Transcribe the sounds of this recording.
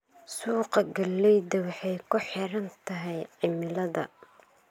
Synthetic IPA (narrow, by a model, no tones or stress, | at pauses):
suːqɐɡɐlːɛjd̪ɐwɑħɑjkʰʊħɪɾɐnt̪ʰɐɦɛjʕɪmɪlɐðɐ̰